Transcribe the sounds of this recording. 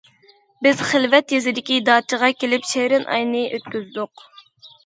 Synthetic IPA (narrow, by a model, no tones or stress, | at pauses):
bɪz̥χɪlvɛt̪jezɪd̪ɪkʲid̪ɑːt͡ʃʰəʁɑkʲelɪpʃeɾɪnʔɑ̰jnɨʔøt̪kʲyzd̪ʊq